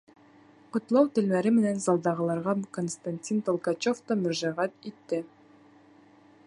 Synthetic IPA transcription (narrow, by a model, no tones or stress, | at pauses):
qŏt̪lˠɑwt̪ɘ̆lmæɾɘmɘ̆nænzɑlˠd̪ɑʁɤ̆lˠɑɾʁɑkonst̪anʲtʲint̪olˠkɑt͡ɕoft̪omɵ̆ɾʒɑʁæt̪it̪ːɘ